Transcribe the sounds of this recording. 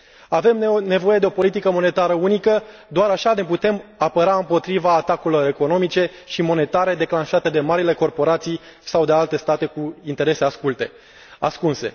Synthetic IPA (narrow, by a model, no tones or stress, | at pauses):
ave̞mne̞vo̞je̞d̪e̞o̞po̞lit̪ikəmo̞ne̞t̪aɾəunikə | d̪oaɾaʃane̞put̪e̞mapəɾaɨmpo̞t̪ɾivaːt̪akuilo̞ɾe̞ko̞no̞mit͡ʃe̞ | ʃimo̞ne̞t̪aɾe̞d̪e̞klanʃat̪e̞d̪e̞maɾile̞ko̞rpo̞ɾat̪sij | sawd̪ealt̪e̞st̪at̪e̞kuint̪e̞ɾe̞se̞askult̪e̞ | a̰skunse̞̰